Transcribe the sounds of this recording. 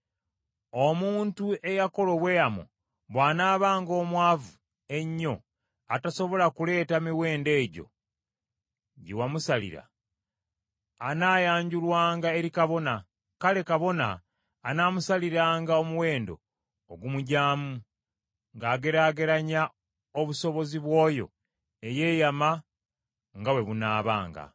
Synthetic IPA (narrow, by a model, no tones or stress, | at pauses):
omuːntue̞jako̞lo̞βwe̞jamo̰ | βwaːnaːβaːŋɡo̞ːmwaːvu | e̞ɲːo̞ | ataso̞βo̞lakule̞ːtamiwe̞ːnde̞ːɟo̞̰ | ɟḭwamusalḭɾa̰ | naːjaːɲɟulwaːŋɡae̞ɾikaβo̞na | kale̞kaβo̞na̰ː | naːmusaliɾaːŋɡao̞muwe̞ːndo̞̰ː | ɡumuɟaːmu | ŋɡaːɡe̞ɾaːɡe̞ɾaɲa | oβuso̞βo̞ziβwo̞ːjo̞̰ | e̞je̞ːjama | ŋɡawe̞βunaːβa̰ːŋɡa̰